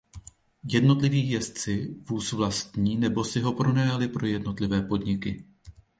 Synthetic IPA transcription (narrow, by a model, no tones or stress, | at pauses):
jɛdno̞t̪lɪviːxjɛst͡sɪvuːsvlast̪ɲiːnɛbo̞sɪɦo̞pɾo̞nɛjalɪpɾo̞jɛdno̞t̪lɪvɛːpo̞dɲɪkɪ